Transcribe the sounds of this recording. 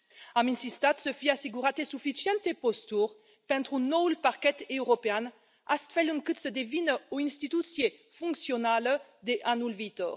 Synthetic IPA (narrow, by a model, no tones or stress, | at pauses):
aminsist̪at̪səfiaseɡuʁat̪esufisjɛnt̪epost̪uʁ | pɛ̃nt̪ɾunɔwlpaʁkɛt̪ewʁopean | ast̪fɛlyŋkɨt̪səd̪evinuĩnst̪it̪usjefũŋksjonald̪eʔanulvit̪ɔ̰ʁ